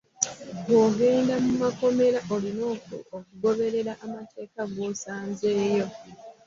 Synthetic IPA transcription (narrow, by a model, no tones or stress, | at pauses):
oɡe̞ːndamumako̞me̞ɾaʔolino̞ːko̰okuɡo̞βe̞ɾe̞ɾaʔːmate̞ːkaɡo̞ːsaːnze̞ːjo̞